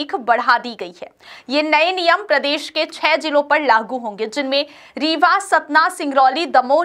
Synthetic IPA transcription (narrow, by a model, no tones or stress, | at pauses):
kʰbɐɽ̤ad̪iɡɐiɦɛːjeːnɐenijəmpɾɐd̪eːʃket͡ʃʰɛːd͡ʒɪlõpɐɾlaːɡuɦõːŋ̆ɡed͡ʒɪnmẽ | ɾiːʋasɐt̪nasɪ̃ŋɡɾɔːlid̪ɐmoː